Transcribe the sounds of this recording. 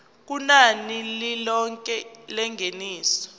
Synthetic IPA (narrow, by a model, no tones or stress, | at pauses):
k̬unanililɔŋkʼɛlɛŋʱeniːsɔ̥